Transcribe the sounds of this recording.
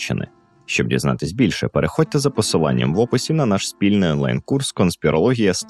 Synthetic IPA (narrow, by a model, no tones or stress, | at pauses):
t͡ʃːɪ̰nɪ̰ | ʃt͡ʃɔb̚dʲḭznɑ̰t̪ɪsʲbʲilʲʃɛpeɾʔexɔtʲt̪ɛzɐpɔsɪlˠɑ̰nʲːɐ̰mʋɔpɪsʲiwnɐnɑʃsʲpʲilʲnɪjɔnˠɑ̰jnkurskɔnsʲpʲiɾʔɔlˠɔɦʲijɐst̪